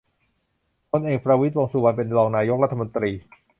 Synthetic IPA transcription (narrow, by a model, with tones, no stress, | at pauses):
kʰo˧nʔeː˨˩k̚pɾa˧wi˦˥t̪̚wa˧ŋsuː˨˧wa˧npe˧nlɔː˧ŋnaː˧jo˦˥k̚ɾa˥t̪ʰːa˧mo˧nt̪ɾiː˧